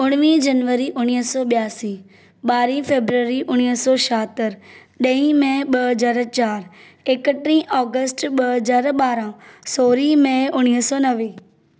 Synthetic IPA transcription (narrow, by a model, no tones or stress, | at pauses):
ʊɽ̃ʋĩd͡ʒɐnʋəɾiʔʊñiɦsɔɓjaːsi | ɓaːɾifeːbɾəɾiʔʊɽ̃iɦsɔːʃaːt̪əɾ | ɗɐ̃ĩmẽɓɐɦəzaːɾt͡ɕaːɾ | ekəʈɾĩʔɔːɡəsʈɓɐɦəzaːɾɓaːɾãsoːɾimẽʊɽ̃iɦsɔːnɐʋeː